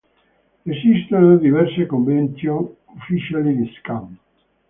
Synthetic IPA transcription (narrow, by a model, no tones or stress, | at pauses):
esist̪enod̪iβɛɾsekombent̪jo | ufisalidiskam